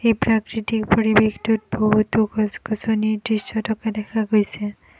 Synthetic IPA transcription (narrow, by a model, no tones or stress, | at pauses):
epɾakɾiʈikpoɾibext̪uɾbʱɔɦut̪ukkɔsonid̪ɾiʃt͡ʃɔʈɔked̪ɛkʰaɡojsʰe